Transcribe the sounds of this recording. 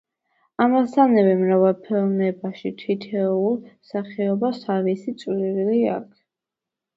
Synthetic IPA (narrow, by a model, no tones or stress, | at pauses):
amasanɛvɛmɾavalˠpʰɛlˠmɛbaʃit̪ʰit̪ʰɛulˠmsaχiɔbasavisit̪sʼliɾlia̰kʰ